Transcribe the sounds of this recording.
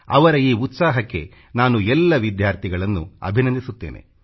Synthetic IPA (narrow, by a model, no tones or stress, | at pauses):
ɐ̰ʋɐɾɐiːut̪saːɦɐkːe̞̰ | naːnuɛlːɐʋid̪jaːɾt̪ʰiɡɐɭɐnːṵɐ̰bʱinɐnd̪isut̪ːe̞ːnʔe̞̰